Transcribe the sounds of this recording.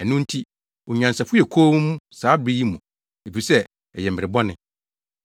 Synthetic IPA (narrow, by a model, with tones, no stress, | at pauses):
ɛ˨nʊ̃˦n̩˦tʰi˦ | ɔ˨ɲã˨nsa˨fʊ˦ɛ˨kʰoː˦mũ˦saː˨˦bɾi˦ji˦mũ˨ | e˨fi˨sɛ˦ | ɛ˨jɛ˨m̩˨bɪ˨ɾɪ˨bɔ˦nɪ̃˨